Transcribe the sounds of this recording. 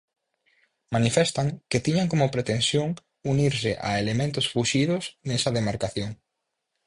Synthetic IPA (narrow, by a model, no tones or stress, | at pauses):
manifɛst̪aŋket̪iɲaŋkomʊpɾet̪ensjoŋ | uniɾsɪʔa̰elemẽnt̪ʊsfuʃiðʊsnesɐðemaɾkaθjoŋ